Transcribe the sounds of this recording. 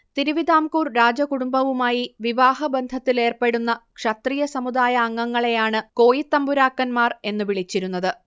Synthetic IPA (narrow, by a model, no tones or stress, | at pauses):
t̪iɾuʋid̪aːmkuːrɾaːd͡ʑɐkuɽumbɐʋumaːjiʋiʋaːhɐbend̪ʱɐt̪ːile̞ːrpe̞ɽunːɐkʂɐt̪rijɐsɐmud̪aːjɐːŋːɐŋːɐɭe̞jaːɳɨko̞ːjit̪ːɐmbuɾaːkːɐnmaːre̞nːɨʋiɭit͡ɕːiɾunːɐðɨ